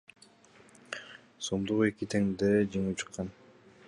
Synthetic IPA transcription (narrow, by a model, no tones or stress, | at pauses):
somd̪uʁe̞kit̪ʰeŋd̪ed͡ʒeŋip̚t͡ʃʰɯ̥qːɑn